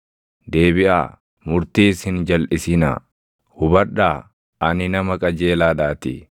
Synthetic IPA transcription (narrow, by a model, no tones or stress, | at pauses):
d̪eːbɪʔa̰ː | mʊɾt̪iːshɪnd͡ʒɐlʔɪsɪna̰ː | hʊbɐᶑaː | ɐnɪnɐmɐkʼɐd͡ʒe̞ːlaːᶑaːt̪ɪ̰